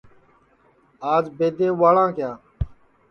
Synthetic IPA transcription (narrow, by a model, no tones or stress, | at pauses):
aːd͡ʒbeːd̪eːʋaːɭãːkjaː